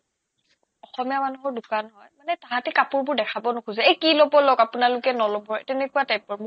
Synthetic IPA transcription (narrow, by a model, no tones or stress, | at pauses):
ɔxɔmijamanuɦɔɹdukanɦɔjmanɛtaɦatɛkapʊɹbʊɹdɛkʰabɔnʊkʰuzɛejkilobɔlokapunalʊkɛnɔlɔbʱɔɹtɛnɛkuwatajpɔɹb